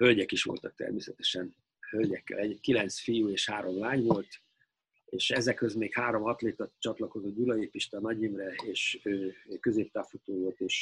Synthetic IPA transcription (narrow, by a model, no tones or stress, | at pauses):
hølɟɛkiʃʋo̞̰lt̪ɒk̚t̪ɛ̰rmeːsɛt̪ɛ̥ʃɛn | hølɟɛkːɛ̰lɛɟkilɛnt̪sfijuːeːʃhaːɾo̞mlaːɲʋo̞lt̪ | eːʃɛzɛkhø̞zmeːkhaːɾo̞mɒt̪leːt̪ɒt͡ʃɒt̪lɒko̞zo̞d̪ulɒeːpiʃt̪ɒnɒɟeːmrɛeːʃøːkø̞zeːp̚t̪aːfut̪oːjolt̪eːʃ